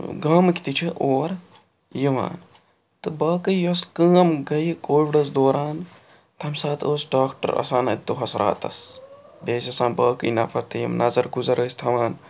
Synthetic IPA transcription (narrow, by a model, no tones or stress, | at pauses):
ɡaːmɨkʲt̪it͡ʃʰiʔoːɾ | jiʋa̰ːn | t̪ɨbɐːkɨjoskəːmɡɐjikoːʋiɖɐs̬d̪oːɾaːn | t̪ʰɐmsaːt̪ʰoːsɖaːkʈɐ̰ɾɐ̰saːnɐ̰t̪ːuɦɐsɾʔa̰ːt̪ɐ̰sbeːsɐsãːnbɐːkɨjnɐfʰɐɾt̪ɨjḭmnɐzɐɾɡuzɐɾəːsʲt̪ʰɐʋaːn